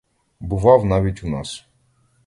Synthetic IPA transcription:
bʊʋɑwnɑʋʲitʲunɑ̰s

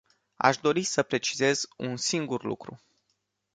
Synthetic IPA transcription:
a̰ʃd̪o̞ɾisəpɾe̞t͡ʃize̞zṵnsiŋɡurlṵkɾṵ

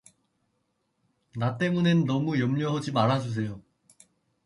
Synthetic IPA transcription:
nat͈e̞munenːʌmujʌmʎʌɦʌd͡ʑimaɾɦad͡ʑus̬ʰe̞jo

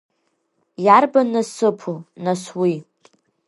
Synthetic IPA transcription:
jarbanasɨpʰunaswi

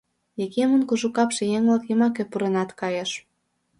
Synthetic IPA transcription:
jekemə̆nkuʒukɑpʃejeŋlɑkjə̆mɑkepuɾenɑt̪kɑjɑʃ

